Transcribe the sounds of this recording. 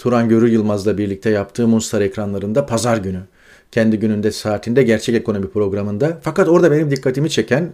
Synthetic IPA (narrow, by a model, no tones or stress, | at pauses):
t̪ʰuɾanɟø̞ɾyjɯlˠmazlˠabiɾlʲic̚t̪ʰɛjap̚t̪ʰɯːmunst̪ʰaɾɛcɾanlˠaɾɯnd̪apʰazaɾɟyny | cʰɛnd̪iɟynynd̪ɛsaːt̪ʰind̪ɛɟæɾt͡ʃʰɛce̞kʰo̞no̞mipɾo̞ɡɾamɯnd̪afakat̪o̞ɾd̪abe̞nimd̪ikʰːat̪ʰimit͡ʃʰe̞cʰæn